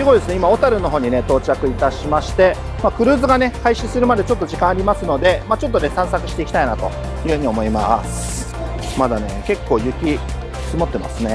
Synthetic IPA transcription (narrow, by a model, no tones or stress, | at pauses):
sɨɡo̞id̪esɨne̞imao̞t̪aɾɯ̟no̞ɦo̞ːɲ̟ine̞t̪o̞ːt͡ɕakɯ̟it̪aɕimaɕi̥t̪e̞ | makɯ̟ɾɯ̟ːzɨɡane̞haiɕisɨɾɯ̟mad̪e̞t͡ɕo̞t̪ːoʑikãaɾʲimasɨno̞d̪e̞mat͡ɕo̞t̪ːo̞nesãɰ̃sakɯ̟ɕi̥t̪e̞iki̥t̪ainat̪o̞̰ | jɯ̟hɯ̟ɲ̟io̞mo̞imasɨ̥ | mad̪ane̞ke̞kːo̞ːjɯ̟kʲi | sɨmot̪ːe̞ma̰sɨne̞